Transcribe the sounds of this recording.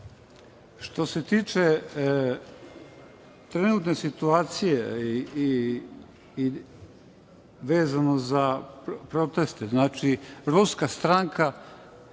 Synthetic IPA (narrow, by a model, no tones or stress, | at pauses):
ʃt̪o̞se̞t̪iːt͡ʃe | t̪ɾenuːt̪ne̞sit̪uaːt̪sije | ʋeːzanozapɾo̞t̪e̞st̪eznaːt͡ʃiɾuskast̪ɾaŋkʰa